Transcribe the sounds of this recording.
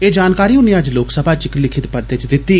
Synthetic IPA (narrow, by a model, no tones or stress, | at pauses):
eːd͡ʒaːnkaːɾiːʊnijãəd͡ʒloːksəbʱaːt͡ʃɪklɪkʰɪt̪pəɾd̪et͡ʃd̪ɪt̪ːiː